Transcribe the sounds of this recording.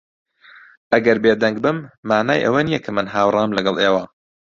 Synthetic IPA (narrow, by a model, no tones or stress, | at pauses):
ʔɐɡɐɾbeːd̪ɐŋɡ̚bɨmːaːnaːjʔɐ̰wɐnijɐkʰɐmɨnɦaːwrˤɑːmlɐɡɐlˠʔeːwɐ